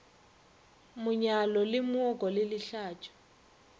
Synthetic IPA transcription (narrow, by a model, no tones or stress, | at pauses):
muɲalɔlɪmɔɡʱɔlɪliɬaːtʰu̥